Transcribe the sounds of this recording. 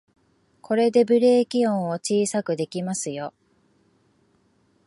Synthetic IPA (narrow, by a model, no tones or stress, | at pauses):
kʰo̞ɾe̞d̪e̞bɯ̟ɾe̞ːkʲiõɰ̃o̞t͡ɕiːsakɯ̟d̪e̞kʲimasɨjo̞